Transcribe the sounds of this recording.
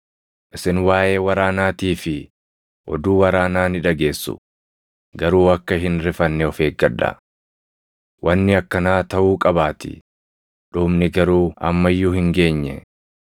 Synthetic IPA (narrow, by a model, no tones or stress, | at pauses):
ʔɪsɪnwaːʔe̞ːwɐɾaːnaːt̪iːfɪ | ʔɔ̰d̪uːwɐɾaːnaːnɪᶑɐɡe̞ːsːʊ̰ | ɡɐɾuːɐkːɐɦɪnɾɪfɐnːɛɔfe̞ːɡɡɐᶑɐ̰ | wʔɐnːɪɐkːɐnaːt̪ɐʔuːkʼɐbaːt̪ɪ̰ | ᶑuːmnɪɡɐɾuːɐ̰mːɐjːʊhɪŋɡe̞ːɲːɛ̰